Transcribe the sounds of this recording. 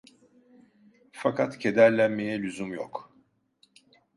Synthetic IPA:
fakʰat̪cʰe̞d̪æɾlʲænme̞jɛlʲyzymjo̰k

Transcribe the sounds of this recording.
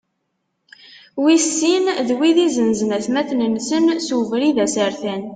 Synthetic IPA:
wisːinðwiðizənznæθmæθnənsənsuvɾiðæsəɾθæn

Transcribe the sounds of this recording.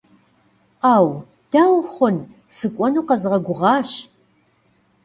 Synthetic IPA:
aːw | d̥aːwχʷʊn | sɨkʷʼɔnuːqɐzɨʁɐɡʷʊʁɑːɕ

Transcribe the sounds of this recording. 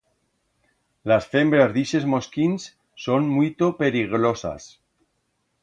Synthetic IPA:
lasfe̞mbɾazðiʃe̞zmoskinsː | o̞nmwit̪ope̞ɾiɣ̞ɾosa̰s

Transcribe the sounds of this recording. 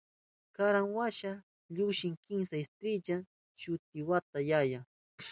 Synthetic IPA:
kaɾaŋwaʃa | ʎʊʃɪŋkɪŋsaɪst̪ɾɪd͡ʒa | ʃʊt̪̚ɪwat̪ajaja

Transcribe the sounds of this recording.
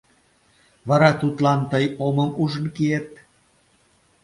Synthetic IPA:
βɑɾɑt̪ut̪lɑnt̪əjoməmuʒənkiet̪̚

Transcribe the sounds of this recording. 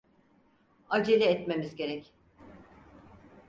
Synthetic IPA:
ad͡ʒilʲɛɛt̪me̞mizɟe̞ɾɛc

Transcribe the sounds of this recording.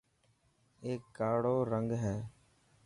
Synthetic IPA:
eːkːaːɽoːɾəŋɡɦɛː

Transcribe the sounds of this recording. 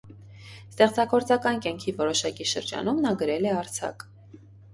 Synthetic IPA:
st̪ɛχt͡sɑɡɔɾt͡sɑkɑnkɑŋkʰivɔɾɔʃɑkiʃə̰ɾd͡ʒɑ̰numnɑɡəɾɛlɛɑɾt͡sʰɑ̰k

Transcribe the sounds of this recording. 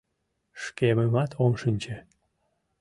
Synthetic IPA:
ʃkeməmɑt̪ʰomʃənʲt͡ɕe

